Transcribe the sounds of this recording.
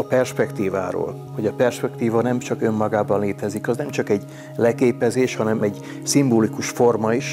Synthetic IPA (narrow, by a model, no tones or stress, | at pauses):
ɒpɛrʃpɛkt̪iːva̰ːɾo̰ːl | ho̞ɟɒpɛrʃpɛkt̪iːvɒnɛmt͡ʃɒkømːɒɡaːbɒnleːt̪ɛzikɒznɛmt͡ʃɒkɛɟ | lɛkeːpɛzeːʃhɒnɛmɛɟ | simboːlikuʃfo̞rmɒiʃ